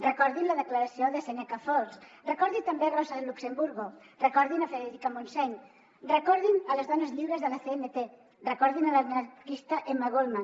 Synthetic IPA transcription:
rekɔɾðinlaðeklaɾasjoðeseɲakafɔɾsrekɔɾðit̪ambearɔsaðelːuksembuɾɣo | rekɔɾðinafeðeɾikamonsɛɲ | rekɔɾðinalezðɔnezʎiβɾezðəlaθeenet̪e | rekɔɾðinalalnakist̪aʔemːaɣolma

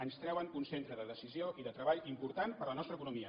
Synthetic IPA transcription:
ənst̪ɾɛwənunsent̪ɾəðəðəsizioʔiðət̪ɾəβaʎimpuɾt̪anpəɾlənɔst̪ɾəkunumiə

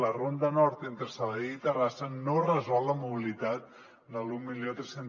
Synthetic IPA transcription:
lərond̪ənɔɾt̪ent̪ɾəsaβəðeit̪ərasənorəzɔlˠːəmuβilit̪at̪̚ | d̪əlummilijot̪ɾesen

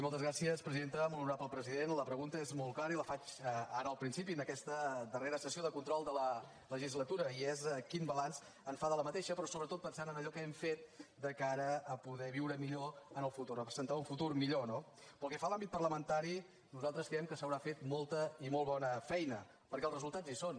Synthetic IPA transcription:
imolˠt̪əzɣɾasiəspɾəziðent̪əmoluɾapəlˠpɾəziðenləpɾəɣunt̪əezmolˠklaɾəiləfat͡ʃəaɾəːlˠpɾinsipinəkɛst̪əd̪əreɾəsəsioðəkunt̪ɾɔlˠd̪ələ | ləʒizlət̪uɾəiɛzkimbəlans | ənsfaðələmət̪eʃəpɾɔsoβɾət̪ot̪pənsanənəʎɔkəɛmfet̪̚d̪əkaɾəːpuðɛβiwɾəmiʎoənəlˠfut̪urrəpɾəzənt̪auɱfut̪urmiʎonopəlˠkɛfalˠambit̪̚pərləmənt̪aɾi | nuzalˠt̪ɾəskɾɛmkəsəwɾafet̪̚molˠt̪əimolˠβɔnəfɛjnə | pəɾkɛlzrəzulˠt̪azison

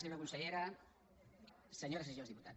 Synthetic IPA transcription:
eɲoɾakunseʎeɾa | seɲoɾaseʒjozðiput̪at

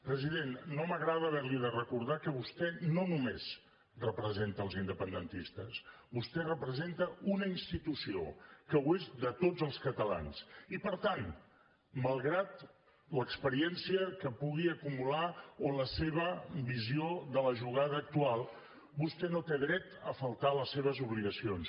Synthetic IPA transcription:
pɾəziðenːoməɣɾaðəːβɛɾliðərəkuɾð̞akəβust̪ɛnonumez | rəpɾəzent̪əːlˠzind̪əpənd̪ənt̪ist̪əsbust̪ɛrəpɾəzent̪əunəinst̪it̪usio̰kəwezd̪ət̪od͡zəlˠskət̪əla̰nsipəɾt̪an | məlˠɣɾat̪ | ləkspəɾiɛnsiəkəpuɣiəkumulaoləseβəbizioðələʒuɣ̞aðəːk̚t̪ualˠ | bust̪ɛnot̪eðɾɛt̪əfəlˠt̪aləsːeβ̞əzuβliɣəsions

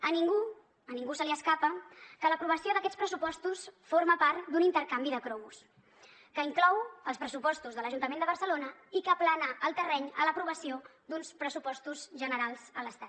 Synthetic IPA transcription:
əniŋɡu | əniŋɡusəliəskapəkələpɾuβ̞əsioðəkɛt͡spɾəsupɔst̪usfoɾməpaɾt̪d̪unint̪əɾkambiðəkɾɔus | kəiŋklɔwəlˠspɾəsupɔst̪uzðələʒunt̪əmend̪əβəɾsəlonəikəplanəʔəlˠt̪ərɛɲələpɾuβəsiod̪unspɾəsupɔst̪uzʒənəɾalˠz̥ələst̪at̪̚

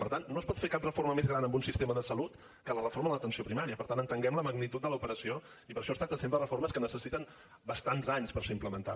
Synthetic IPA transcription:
pəɾt̪anːospɔt̪fekap̚rəforməmezɣɾanəmbunsist̪eməðəsəlut̪ | kələrəfoɾməðət̪ənsiopɾimaɾiəpəɾt̪anənt̪əŋɡɛmləməɡnit̪ut̪d̪ələupəɾəsio | ipəɾʃɔst̪ɾat̪əsempɾərəforməskənəsəsit̪ən | bəst̪anzaɲspəɾseimpləmənt̪a̰

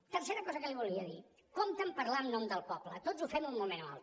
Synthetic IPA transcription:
t̪əɾseɾəkɔzəkəliβulˠiəði | komt̪əmpəɾlannɔmd̪əlˠpɔplət̪ozufɛmunmumena̰lˠ

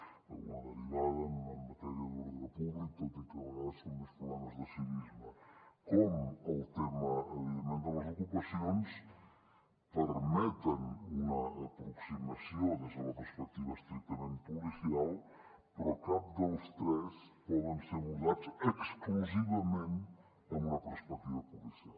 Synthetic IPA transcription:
ṵmɐnɐlizaðɐnumɐmɐt̪ɛɾiɐðuɾðɐpuβlikɐd̪it̪ɐnaðɐskomuspɾuβlɛmɐzðɐsinizmɐkomuɐwt̪emɐðɐmẽnt̪ɐwɐzokupɐsõj̃s | pəɾmɛt̪ɐ̃numɐɐpɾɔksimɐsiõwd̪ɐsumɐpəɾspɛk̚t̪ivɐʃt̪ɾik̚t̪ɐmẽnt̪pulisial | pɾɔkaβd̪owst̪ɾɛspɔðẽw̃seɾuzad̪usekskluzivɐmẽnt̪ | ɐ̃ũmɐpeɾspɛk̚t̪ivɐpulisial

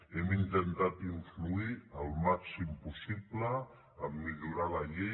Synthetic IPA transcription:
ɛmint̪ənt̪at̪iɱfluiəlˠmaksimpusiblə | əmːiʎuɾaləʎe

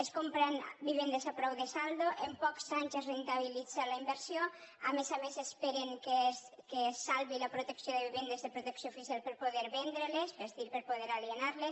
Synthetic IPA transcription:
eskompɾɛnbiβend̪esapɾɔwðesald̪oʔempɔksaɲzesrent̪aβ̞ilid͡zalaimbeɾsjoamesamesespeɾeŋkeskesalβilapɾot̪eksijoðeβiβend̪ezðepɾot̪eksjofisjalpeɾpoðeɾβɛnd̪ɾelesbest̪iɾpeɾpoðeɾalienaɾles

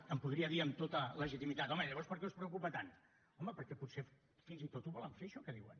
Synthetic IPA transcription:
əmpuðɾiəðiəmt̪ot̪ələʒit̪imit̪at̪ɔməʎəβɔɾspəɾkɛuspɾəukupət̪an | ɔməpəɾkɛput̪se | finzit̪ot̪uβɔləɱfeʃɔkəðiwə̰n

